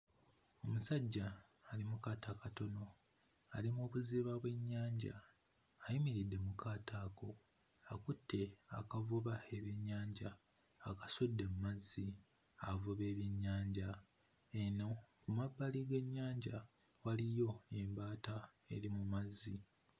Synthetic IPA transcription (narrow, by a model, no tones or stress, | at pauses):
o̞musaɟːaː | limukaːtakato̞no̞ | alimoːβuziβaβwe̞ɲːaːɲɟa̰ː | jimiɾidːe̞mukʰaːtʰako̞ | akutʰːe̞a̰kavuβaeβjeɲːaːɲɟaː | kasudːe̞mumazːi | avuβe̞ːβjiɲːaːɲɟa | eno̞kumabːaliɡe̞ɲːaːɲɟa | walijo̞embaːtae̞̰ɾimumazːi